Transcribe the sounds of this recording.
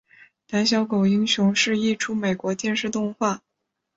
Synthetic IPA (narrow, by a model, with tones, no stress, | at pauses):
t̪a˧˥nɕjɑ˥ʊko˨˩ʊi˥ŋɕjʊ˧˥ŋʂɻ̩˥˧i˥˧ʈ͡ʂʰu˥me˨˩ɪkwɔ˧˥t̪jɛ˥˧nʂɻ̩˥˧t̪ʊ˥˧ŋxwa˥˩